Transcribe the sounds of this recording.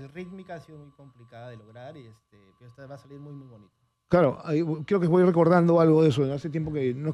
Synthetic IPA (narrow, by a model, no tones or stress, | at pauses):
elrit̪mikaasiðomujko̞mplikaðaðeloɣɾaɾest̪epeɾoest̪aβaːsaliɾmujmujβonit̪o | klaɾoʔakːɾeokeβojire̞ko̞ɾðand̪o̞alɣoðe̞soeðeaset̪̬je̞mp̬o̞kenoe